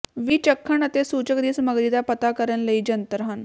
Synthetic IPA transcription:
ʋiːt͡ɕəkʰːəɳət̪esuːt͡ɕəkd̪iːsməɡɾid̪apət̪akəɾənləid͡ʑənt̪əɾɦan

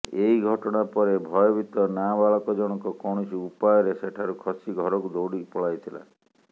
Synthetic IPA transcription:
eiɡʱɔʈɔɽ̃apɔɾebʱɔjɔbit̪ɔnabaɭɔkɔd͡ʒɔɽ̃ɔkɔkɔɳ̃it͡ʃiupajɔɾeseʈʰaɾukʰɔsiɡʱɔɾɔkud̪owɽipɔɭajt̪ʰila̰

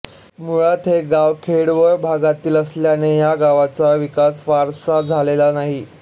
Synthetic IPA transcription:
muɭat̪ɦeɡaʋkʰeɽʋəɾbʱaɡat̪iːləsljanejaɡaʋat͡saʋikasʋaɾsad͡zʱalelanaɦi

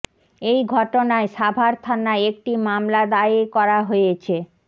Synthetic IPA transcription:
ejɡʱɔʈonaeʃabʱaɾt̪ʰanaeek̚ʈimamlad̪aekɔɾaɦojet͡ɕʰe

